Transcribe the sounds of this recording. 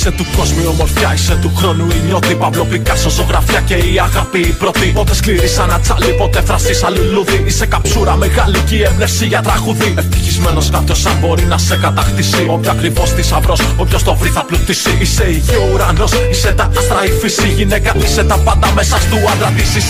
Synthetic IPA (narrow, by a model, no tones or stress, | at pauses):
iset̪uko̞zmio̞mo̞ɾfçɐiset̪uxɾo̞nuiɲo̞t̪ipɐpɾo̞klikɐsoso̞ɣɾɐfiɐce̞iɐɣapiːpɾo̞t̪ipot̪eskliɾisɐnɐt͡sɐlipo̞t̪efɾɐsisɐliluðiise̞kɐpsuɾɐmeɣɐlicievnefsiʝɐt̪ɾɐɣuðieft̪içizme̞no̞skɐp̪ço̞sɐnbo̞ɾinɐsekɐt̪ɐxt̪isio̞pçoɐkɾivo̞st̪isɐvɾo̞s | opço̞st̪ovɾiθɐplut̪isiise̞iʝiouɾɐno̞s | ise̞t̪ɐɐst̪ɾɐifisiʝine̞kɐise̞t̪ɐpɐnd̪ɐme̞sɐst̪uɐd̪ɾɐt̪isis